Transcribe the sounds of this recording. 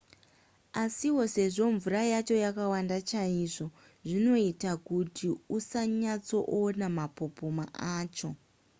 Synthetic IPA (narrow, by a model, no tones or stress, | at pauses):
asiwo̞se̞ʐo̞ɱvurajat͡ʃo̞jakawandat͡ʃaiʐo̞ | ʐino̞itakutiusaɲat͡so̞ʔonamapo̞poma̰ʔaːt͡ʃo̞